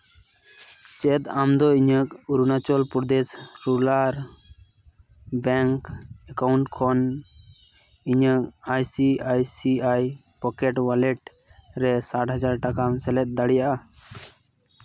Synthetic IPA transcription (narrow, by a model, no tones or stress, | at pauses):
t͡ʃɛt̪amd̪ɔiɲəkuɾunat͡ʃɔlpuɾd̪esɾulaɾ | bɛŋkɛkawɳʈkʰɔn | iɲək̚ajsiajsiaj | pɔkɛʈwalɛʈ | ɾɛsaʈɦəd͡ʒaɾʈakamsɛlɛt̪̚ˀd̪aɽijaʔa